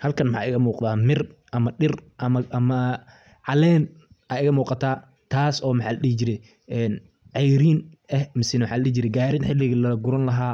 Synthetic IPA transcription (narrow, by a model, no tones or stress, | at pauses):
hɐlkʰɐnmħa̰ːʔɪɣɐmuːqd̪aːmɪrʔɐmɐɗɪrʔɐmɐʔɐmɐ | ʕɑlɛːn | ʔɐːɪɣɐmuːqɑt̪ʰaː | t̪ʰaːsɔːmɐħɑːlɐɗɪhɪd͡ʒɪɾɛj | ʔɛːn | ʕɑjɾiːnʔɛhmɪsɪnwħaːlɐɗɪd͡ʒɪɾɛɡaːɾɪnħɪlɪɣɐlɐɡʊɾɐnlɐɦaː